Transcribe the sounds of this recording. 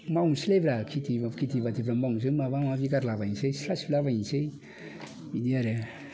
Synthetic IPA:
maunsilevɾakʰit̪iakit̪ivat̪evɾamauŋs̬emavamavikaɾlavainsejsɾasfilavainsej | id̪iaɾe

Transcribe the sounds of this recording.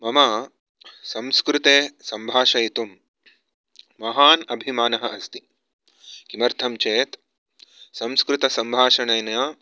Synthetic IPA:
mɐmɐ | sɐmskɾut̪eːsɐmbʱaːʃɐjit̪um | ɐɦaːnɐbʱimaːnɐɦɐʔɐst̪i | kimɐɾt̪ʰɐmt͡ʃeːt̪ | sɐ̃mskɾut̪ɐsɐmbʱaːʃɐɳɐjnɐjɐ

